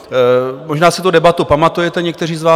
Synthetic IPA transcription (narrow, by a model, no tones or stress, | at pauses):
mo̞ʒnaːsɪt̪udɛbat̪upamat̪ujɛt̪ɛɲɛk̚t̪ɛr̝iːzvaː